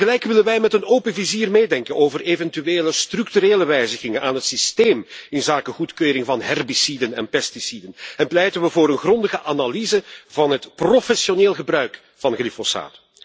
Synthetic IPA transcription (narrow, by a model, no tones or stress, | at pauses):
ɣəlɛjkʋɪlənʋɛjmɛtənoːpənviziːrmeːdɛŋkənoːvərevɛntyʋeːləstrʏktyɾeːləʋɛjzəɣɪŋənʔaːnɦətsisteːmɪnzaːkəɣutkøːɾɪŋvɑnɦɛrbisidənɛ̰npɛstisidənɛnplɛjtənʋəvoːɾənɣrɔndəɣəʔanalizəvɑnɦətprofɛsjoneːlˠɣəbrœɥk | fɑnɣlifosa̰ːt